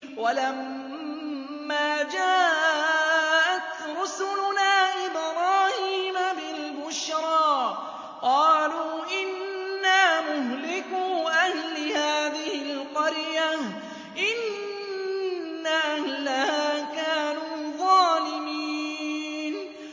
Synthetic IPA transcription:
walam | aːd͡ʒaːʔ | ʔat̪ɾʊsʊlʊnaːʔɪbɾɑːhiːmabɪlbʊʃɾˤɑː | qɑːluːʔɪnːaːmʊɦlɪkuːʔahlɪhaːðɪhɪlqɑɾja | ʔɪn | aʔahlahaːkaːnuːðˤɑːlɪmiːn

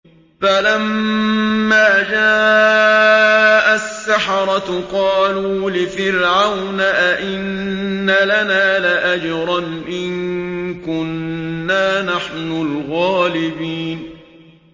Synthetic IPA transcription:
falamː | aːd͡ʒaː | ʔasːaħɑɾˤɑt̪qɑːluːlɪfɪɾʕawnaʔaʔɪnːalanaːlɪʔad͡ʒɾˤɑnʔɪŋkʊnːaːnaħnʊlɣaːlɪbiːn

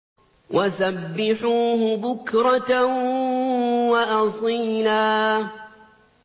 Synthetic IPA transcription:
wʔasabːɪħuːhʊbʊkɾˤɑt̪a | waʔɑsˤiːlaː

